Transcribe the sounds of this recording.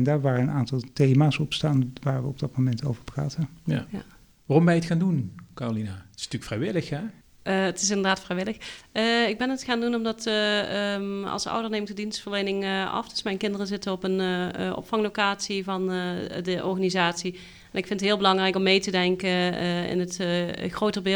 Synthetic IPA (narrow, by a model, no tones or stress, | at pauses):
ndaːɹʋaːrəənaːntɑlˠtejmaːsɔpstaːnʋaːɹʋəɔb̚dɑt̚momɛntowvəɹpraːtənjja̰ | ʋaːrɔmʋɛjətxaːndunkaːrolinatɪ̥sntyːkfrɛjʋɪləxɛ | əətɪs̬ɪndəɹdaːtfrɛjʋɪləxəɪɡ̚bɛnətxaːndunɔmdɑtə | ɑ̰lˠsʌ̰wdəɹnejmkdədinstfəɹlejnɪŋəɑ̰fd̥ɵsmɛjnkɪndərəzɪtəɔpənʔɔ̰pfɑŋlowkaːtsivɑndəʔɔɹɣanizaːtsi | ɛnɪkfɪntətɦɪːlˠbəlɑŋrɛjkɔmːejtədɛŋkəɪ̰nətxrowtəbɪ